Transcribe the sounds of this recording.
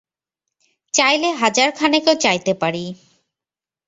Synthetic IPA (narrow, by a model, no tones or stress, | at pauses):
t͡ɕajleɦad͡ʑaɾkʰanekewt͡ɕajt̪epaɾi